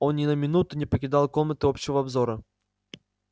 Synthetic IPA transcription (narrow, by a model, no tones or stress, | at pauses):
onnʲɪnəmʲɪnut̪ʊnʲɪpəkʲɪd̪ɑlˠkɔmnət̪ɨɔpɕːɪvɐɐbzɔɾə